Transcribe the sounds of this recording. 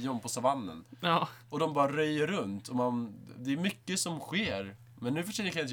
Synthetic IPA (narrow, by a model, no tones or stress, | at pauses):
ɔmpʰɔsavanːə̰nɔd̪ɔmbɑːɾaɾœjːəɾɵnt̪ʰɔmand̪ɛːɾmʏkːəsɔmɧeːɾ | mɛnːʉ̟fœʂɛːəkajt̪